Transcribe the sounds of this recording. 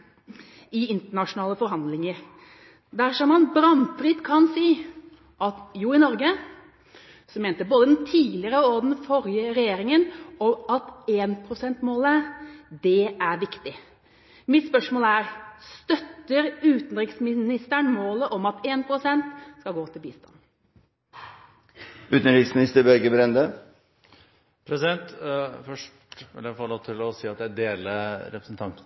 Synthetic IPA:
ɪɪnt̪əɳɑʂʊnɑːləfɔɾɦɑnd̪lɪŋəɾ | d̪æɾʂɔmɑnbɾɑnfɾɪt̪kʰɑnsiː | ʔɑt̪juːɪnɔɾɡə | sɔmeːnt̪əboːd̪əd̪ɛnt̪ʰiːlɪɾəɔd̪ɛnfɔɾjəɾɛjeːɾɪŋənɔɑt̪eːnpʰɾʊsɛnt̪moːləd̪ɛæɾʋɪkt̪ɪ | mɪt̪spœʂmoːləæɾst̪œt̪ːəɾʉːt̪n̩ɾɪksmɪnɪst̪əɳmoːləʔɔmɑt̪eːnpʰɾʊsɛnt̪skɑɡoːt̪ʰɪlbiːst̪ɑ̰n | ʉːt̪n̩ɾiksmɪnɪst̪əbœɾɡəbɾɛnd̪ə | pʰɾɛsɪd̪ɛnt̪fœʂʈʋɪ̰læfɔloːt̪ʰɪlɔsiːɑt̪̚d̪ɛæd̪eːləɾɛpɾəsn̩t̪ʰɑnt̪

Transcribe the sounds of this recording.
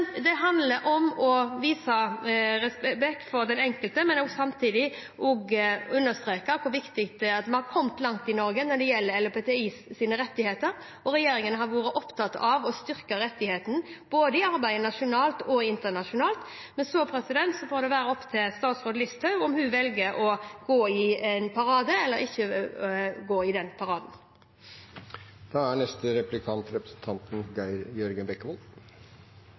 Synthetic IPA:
d̪ɛɦɑnd̪ləɾʔɔmɔʋiːsɑɾɛspbɛk̚t̪fɔɾd̪ɛnɛŋkəlt̪əmɛnɔɡsɑmt̪ʰiːd̪ɪ | ɔɡʉnːəst̪ɾeːkəkʰʊɾʋɪkt̪ɪkt̪̚ɛɑt̪mɑnhɑɾkʰɔmt̪lɑŋt̪ɪnɔɾɡənæɖ̪ɛjɛlːəɾɛlɔpɛːt̪ɛiːssiːnəɾɛt̪ːɪheːt̪əɾ | ɔɾɛjeːɾɪŋənəɦɑɾʋuːɾəʔɔpt̪ʰɑt̪ɑʋɔst̪ʏɾkəɾɛt̪ːɪheːt̪n̩b̥oːd̪əɪɑɾbæɪnɑʃʊnɑːlt̪ɔɪnt̪əɳɑʃʊnɑːlt̪ | mɛnsɔpʰɾɛsɪd̪ɛnt̪sɔfoːɾd̪ɛʋæːɾəɔpːt̪ʰɪlst̪ɑːt̪sʁoːd̪əlɪst̪ʰɑʉɔmhʉʋɛlɡəʔɔɡ̥oːɪɛnpʰɑɾɑːd̪əɛlːəʁɪçːə | ɡoːɪd̪ɛnpʰɑɾɑːd̪n | d̪̥ɑːæɳɛst̪əɾɛplɪkʰɑnt̪ɾɛpɾəsn̩t̪ʰɑnt̪n̩ɡɪjœɾɡənbɛkːəʋɔl

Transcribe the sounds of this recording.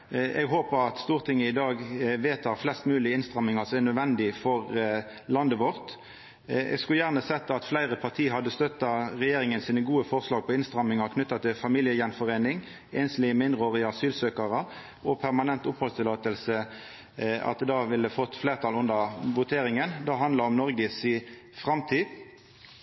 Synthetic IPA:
ʔɛ̰ɡɦoːpəʁɑt̪st̪uːʁt̪ʰɪŋːəɪd̪ɑːɡʋeːt̪ʰɑːʁflɛst̪mʉːlɪɪnst̪ʁɑmːɪŋɑsɔmɛnœd̪ʋɛnd̪ɪfɔʁ | lɑnd̪əʋɔʁt̪ | ɛ̰ɡskʉljæʁnəsɛt̪ːəɑt̪flæɪʁəpʰɑʁt̪ʰiːɦɑd̪əst̪œt̪ːɑʁɛjeːʁɪŋənsiːnəɡuːəfɔʁslɑːɡ̚pʰɔɪnst̪ʁɑmːɪŋɑʁkʰnʏt̪ːɑt̪ʰɪlfɑmɪljəjɛnfɔʁeːnɪŋ | eːnslɪəmɪnd̪ʁəoːʁɪəɑsyːlsøːkɑʁə | ɔpʰæʁmɑnɛnt̪ʊphɔlst̪ʰɪlɑːt̪əlsə | ɑ̰t̪d̪ɑːʋɪlːəfɔt̪ːfleːʁt̪ʰɑlʉnd̪əʁʋʊt̪ʰeːɾɪŋənd̪ɑːɦɑnd̪lɑɔmnɔɾɡəsi | fʁɑmt̪ʰiːd̪

